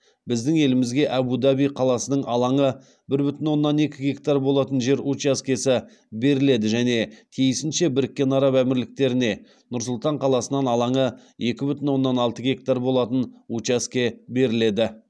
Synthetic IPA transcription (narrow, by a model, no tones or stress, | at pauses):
bɪzd̪ɪŋe̞lɪmɪzɡʲe̞ʔæbud̪ɑbijqʰɑlˠɑsənəɴɑlˠɑɴə | bɪɾbʏt̪ɪnwo̞nːɑne̞kʲɪɡʲe̞kt̪arbo̞lˠɑt̪ənʒe̞ɾut͡ʃaskʲesɪ | be̞ɾɪle̞d̪ɪʒæne̞t̪ʰijɪsɪnʃe̞bɪɾɪkʲːe̞nɑɾɑpæmɪɾlɪk̚t̪e̞ɾɪne̞ | nʊɾsʊlˠt̪ɑɴqʰɑlˠɑsənɑnɑlˠɑɴə | e̞kʲɪbʏt̪ɪnwo̞nːɑnɑlˠt̪əɡʲe̞k̚t̪aɾbo̞lˠɑt̪ənut͡ʃaskʲebe̞ɾɪle̞d̪ɪ